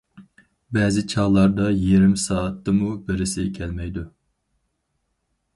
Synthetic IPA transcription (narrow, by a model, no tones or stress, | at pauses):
bɛːzɪt͡ʃʰɑlˠɑɾd̪ɑjeɾɪmsɑːt̪ːɨmubɪɾɪsɪkʲʰɛlmɛjd̪u